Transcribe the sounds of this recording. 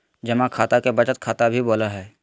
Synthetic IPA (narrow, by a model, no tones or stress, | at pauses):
d͡ʒɐmãkʰaːt̪akebɐt͡ʃət̪̚kʰaːt̪abʱiboːlaɦɛː